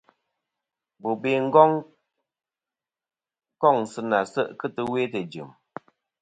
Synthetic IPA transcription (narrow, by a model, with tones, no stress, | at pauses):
bu˨be˦ŋ̩˦ɡɔ˦ŋ | kɔ˦˨ŋsɨ˧na˨sə˦ʔkɨ˦tɨ˦we˦tɨ˨d͡ʒɨ̰˨m